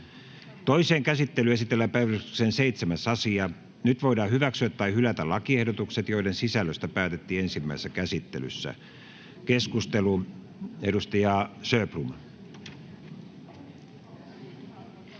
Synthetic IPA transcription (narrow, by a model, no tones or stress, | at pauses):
t̪oiseːŋkæsit̪ːelyesit̪elːæpæiyy̥kseːnseit̪semæsɑsiɑ | nyt̪ʋoidɑːhyʋæksyæt̪t̪ːɑihylæt̪ælɑkiehdot̪ukset̪joiɾensisælːøst̪æpæːt̪et̪ːiːensimːæisːækæsit̪ːḛly̰sːæ̰ | keskust̪elu | edust̪ɑjɑːsøːprum